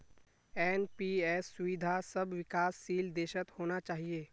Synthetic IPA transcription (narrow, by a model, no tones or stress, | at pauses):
ɛːnpiɛːsːʊʋɪd̪ʱasɐbʋɪkaːsːiːld̪eːʃət̪hoːnat͡ʃaːɦieː